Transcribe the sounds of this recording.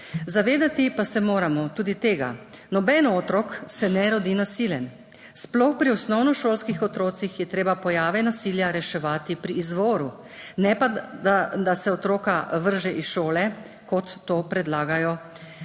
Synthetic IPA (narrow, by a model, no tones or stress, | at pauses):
zaʋeːd̪at̪ipasɛmoːɾamɔt̪uːd̪it̪eːɡa̰ | nɔbɛnɔot̪ɾɔksɛnɛɾɔd̪inasiljɛn | splɔxpɾiɔsnɔwnɔʃoːlskixɔt̪ɾoːt̪sixjɛt̪ɾeːbapɔjaːʋɛnasiːljaɾɛʃɛʋaːt̪ipɾiːzʋoːɾu | nɛpaad̪asɛɔt̪ɾoːkaʋəɾʒɛʔisʃoːlɛ | kɔt̪ːoːpɾɛd̪laːɡajɔ